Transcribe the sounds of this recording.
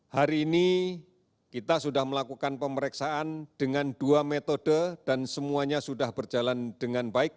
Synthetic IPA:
haɾiːni | kit̪asudahməlakukanpəməɾɛksaand̥əŋanduamet̪odəd̥ansəmuaɲasudahbərd͡ʒaland̥əŋanbaɪk̚

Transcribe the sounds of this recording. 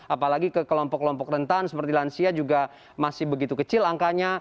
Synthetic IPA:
ʔapalaɡikəkəlɔmpɔkːəlɔmpɔkrənt̪ansəpərt̪ilansiad͡ʒuɡa | masɪhbəɡit̪ukət͡ʃɪlaŋkaɲa

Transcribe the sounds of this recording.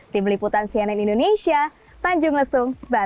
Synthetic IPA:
t̪ɪmliput̪ansiananindonesia | paɲd͡ʒʊŋləsʊŋba

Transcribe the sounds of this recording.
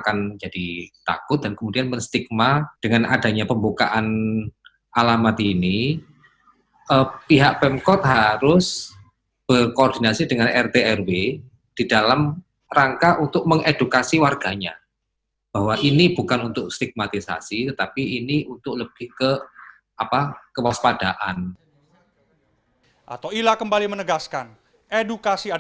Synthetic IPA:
akand͡ʒad̥it̪a̰kʊt̪̚d̥ankəmudianməŋst̪ik̚mad̥əŋana̰da̤ɲapəmbuka̰ʔan | ʔalamat̪ini | əpiɦaʔ̚pɛmkɔt̪̚ɦaɾʊs | b̥ərkoːrdinasidəŋanɛrt̪eɛrwe | d̥idalam | raŋkaʔunt̪ʊk̚məŋedukasiwarɡ̥aɲa | b̥ahwaʔinib̥ukanunt̪ʊk̚st̪iɡ̥̚mat̪isa̰sit̪ət̪apiːniunt̪ʊk̚ləb̥ɪhkə | ʔapakəwaspad̥aʔan | ʔat̪awilakəmbalimənəɡaskan | edukasia

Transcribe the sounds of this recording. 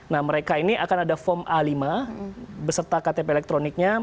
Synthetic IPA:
nahməɾekainiʔakanadafɔmalima | bəsərt̪akat̪epeːlɛk̚t̪ɾonik̚ɲa

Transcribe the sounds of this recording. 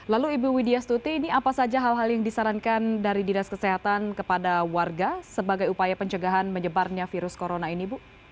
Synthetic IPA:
laluibuwideast̪ut̪iːniapasad͡ʒaɦalɦaljaŋdisaɾankandaɾidinaskəseɦat̪ankəpadawarɡasəbaɡajupajapəɲt͡ʃəɡaɦanməɲəbarɲafiɾʊskoɾonainibu

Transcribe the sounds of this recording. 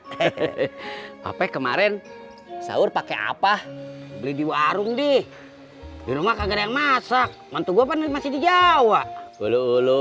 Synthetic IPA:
a̰pɛkəmaɾɛn | sa̰ʊrpakea̰pahbəlidiwaɾʊŋdi | diɾumakaɡarjaŋmasak̚ | mant̪uɡuapanmasɪhdid͡ʒawaʔoloolo

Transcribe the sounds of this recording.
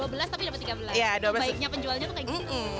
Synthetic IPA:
uabəlast̪apidapət̪ːiɡabəlasjaduabəlaaikk̚ɲapəɲd͡ʒualɲat̪ukaɡm̩

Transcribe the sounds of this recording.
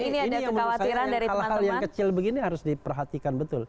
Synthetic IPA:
iniidjaŋmənaasaiɾaaɾisalhaljaŋkət͡ʃɪlbəɡiniɦaɾʊsdipərɦat̪ikanbət̪ʊl

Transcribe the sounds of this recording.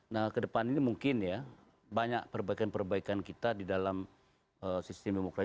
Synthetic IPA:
nahkədəpaninimuŋkɪnja | baɲak̚pərbaikanpərbaikankit̪adidalam | əsist̪ɛmdemokɾa

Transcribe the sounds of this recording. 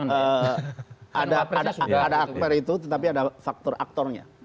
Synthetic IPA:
ə | ʔadaadaadaːk̚pɛɾit̪ut̪ət̪apiadafak̚t̪ɔra̰k̚t̪ɔrɲa̰

